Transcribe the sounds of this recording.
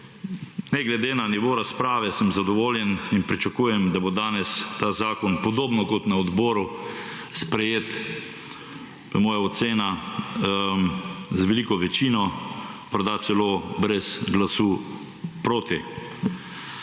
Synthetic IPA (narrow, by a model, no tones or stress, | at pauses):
nɛɡlɛd̪eːnaniʋoːɾaspɾaːʋɛsəmzad̪ɔʋoːljɛninpɾit͡ʃakuːjɛmd̪abod̪aːnɛst̪aːzaːkɔnpɔd̪oːbnɔkɔt̪naɔd̪bɔːɾu | spɾɛjeːt̪ | ʋəmoːjaɔt̪seːna | zʋɛlikɔʋɛt͡ʃiːnɔpaɾd̪at̪sɛloːbɾɛzɡlasuː | pɾoːt̪i